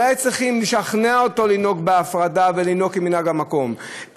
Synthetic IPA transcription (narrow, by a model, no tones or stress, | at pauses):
ajt͡sʁiχimliʃaχneaoto̞lino̞kbeafʁadave̞lino̞kiminaɡamako̞m